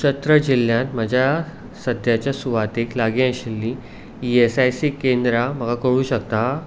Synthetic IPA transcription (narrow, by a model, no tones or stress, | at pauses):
ɕət̪ɾəd͡ʑilːjãnt̪məd͡ʑʱja | səd̪ʱjat͡ɕjasuʋat̪eklaɡiãɕilːi | iesajsiːkẽnd̪ɾam̤əɡakəɽuːɕəkt̪a